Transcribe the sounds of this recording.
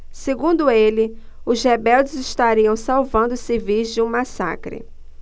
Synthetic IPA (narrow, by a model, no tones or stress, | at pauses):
seɡũnd̪ʊelɪ | ʊzhebɛwd͡ʒɪzɪʃt̪aɾiɐ̃w̃sawvɐ̃nd̪ʊsɪvizd͡ʒɪũmasa̰kɾɪ̰